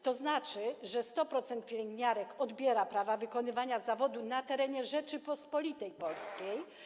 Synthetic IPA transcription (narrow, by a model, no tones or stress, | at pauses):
t̪ɔznat͡ʂɘʐɛst̪ɔpɾɔt̪sɛnt̪̚pʲjelɛŋɡɲaɾɛkɔd̪bʲjɛɾapɾavavɘkɔnɘvaɲazavɔd̪unat̪ɛɾɛɲɛʐɛt͡ʂɘpɔspɔlʲit̪ɛjpɔlskʲej